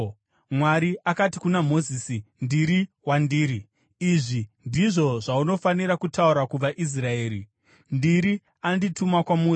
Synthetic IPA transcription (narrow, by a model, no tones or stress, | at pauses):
mwaɾiakatikunamo̞ziːsindiɾi | wandiːɾiː | ʐindiʐo̞ʐauno̞faniɾakutauɾakub͡vaʔis̬raeːɾḭ | ndiɾi | anditumakwamu